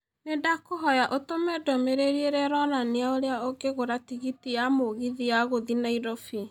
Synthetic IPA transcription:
nedakoɦɔjaʔotomɛdɔmeɾeɾieɾɛɾɔnaneaoɾeaoɡeɣoɾatiɣitijamoɣiðijaɣoðinaiɾɔfi

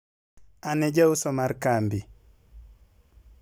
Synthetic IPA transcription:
anɛd͡ʒawsɔmaɾkambi

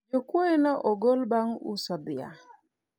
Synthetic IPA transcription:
d͡ʒokwoenɔʔɔɡolbaŋṵsɔd̪ɪa̰

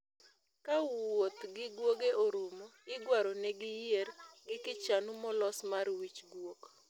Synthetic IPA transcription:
kawot̪ɡɪɡwoɡeʔoɾumoɪɡwaɾɔnɛɡɪjeɾɡɪkɪt͡ʃanumɔlɔsmarwit͡ʃɡwok

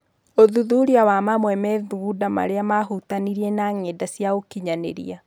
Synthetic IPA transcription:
oðuðuɾiawamamwɛmɛðuɡudama̰ɾeamaɦutaniɾiɛnaŋedasjaokiɲanḛɾḭa

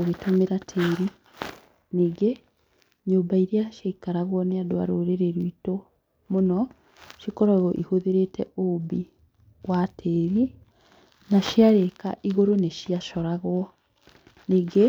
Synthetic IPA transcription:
oɣetomeɾatʰeːɾi | niːɡe | ɲoːmbaiɾeaʃaikaɾaɣwɔneadoa̰ɾoɾeɾeɾwito | monɔ | ʃikɔɾɔɣɔʔihoðeɾetɛʔobi | watʰeɾi | naʃiaɾeka̰ʔiɣoɾoneʃiaʃɔɾaɣwɔ | niːɡe

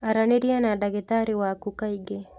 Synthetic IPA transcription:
aɾaniɾianadaɡet̪aɾiwakukaiɡe

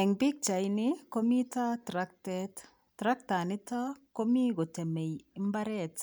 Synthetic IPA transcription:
ɛŋbik̚t͡ʃajnɪkomitatɾak̚tɛt | tɾak̚tanɪtakomiɡɔtɛmejɪmbaɾɛt

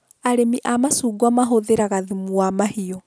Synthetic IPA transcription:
aɾemiʔamasuːɡwamaɦoðeɾaɣaðemuamahiɔ

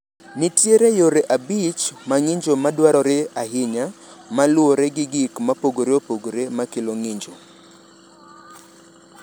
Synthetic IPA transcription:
nɪtjeɾejoɾeʔabit͡ʃmaŋɪɲd͡ʒomadwaɾɔɾeaɦɪɲamalʊoɾeɡɪɡɪkmapoɡoɾeopoɡoɾemakɪloŋɪɲd͡ʒo

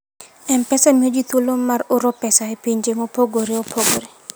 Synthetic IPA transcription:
ɛmpɛsamiod͡ʒit̪wolomaɾʊɾopɛsaepiɲd͡ʒeŋopoɡoɾeopʰoɡoɾe

